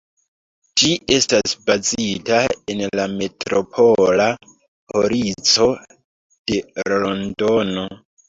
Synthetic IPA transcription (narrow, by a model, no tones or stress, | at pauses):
d͡ʒie̞stasbazitaenlame̞tɾo̞pʰo̞la | poɾit͡so̞ | d̥e̞ɾlondo̞no̞